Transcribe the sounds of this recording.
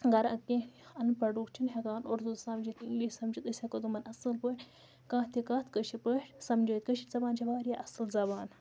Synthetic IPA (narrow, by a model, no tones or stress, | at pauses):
ɡɐɾɐkːẽɐnpɐɖuːkt͡ʃʰinɦʲɐkaːnoɾd̪ut̪sɐmd͡ʒit̪iŋɡliːʃʲsɐmd͡ʒit̪ɐsʲhɐkɐt̪umɐnɐsɨlpəːʈʲ | kãːt̪ʰikaːt̪ʰkəʃipəːʈʲsɐmd͡ʒəːt̪kəʃizɐbaːnd͡ʒʰɐʋaːɾjaʔɐsɨlzɐbaːn